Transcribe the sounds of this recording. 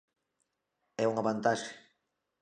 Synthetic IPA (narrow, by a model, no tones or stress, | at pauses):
ɛuŋaβant̪aʃe̥